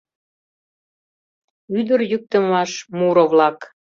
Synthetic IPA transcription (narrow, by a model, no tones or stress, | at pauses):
yd̪əɾjyk̚t̪ə̆mɑʃmuɾoβlɑk